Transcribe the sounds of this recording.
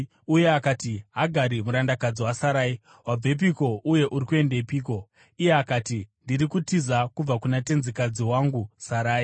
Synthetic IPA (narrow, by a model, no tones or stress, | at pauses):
uje̞akatiɦaɡʱaɾimuɾandakad͡ziwasaɾaːi | wab͡vep̬iko̞ʔuje̞ʔuɾikue̞ndeipiːko̞ | ijeakatindiɾikutizakub͡vakunate̞nzikad͡ziwaŋɡusaɾaːi